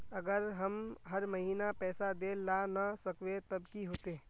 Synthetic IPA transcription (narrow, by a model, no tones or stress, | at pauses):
ɐɡəɾɦɐmɦɐɾmɐɦiːnapɛːsad̪eːlanasɐkwet̪ɐbkiɦoːt̪eː